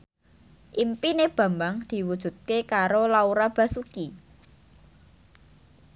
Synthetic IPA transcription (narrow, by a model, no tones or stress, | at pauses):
ʔimpineb̥ä̤mbaŋd̪̥i̤wud̥ʒ̥ṳt̪̚kekaɾolauɾab̥ä̤suki